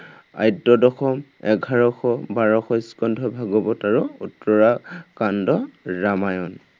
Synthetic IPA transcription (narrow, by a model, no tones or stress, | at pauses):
a̰jtːɔdɔxɔmɛɡʱaɹɔxɔbaɹɔxɔjskɔndʱɔbʱaɡɔbɔtaɹuutɹɔɹakandɔɹamajɔn